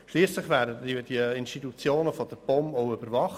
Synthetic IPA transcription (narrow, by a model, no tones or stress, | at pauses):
ʃliːsləχʋæːɾdəidiɪnstit̪ut͡sjoːnəfɔd̪əɾb̥ɔmoʊybəɾvɑχ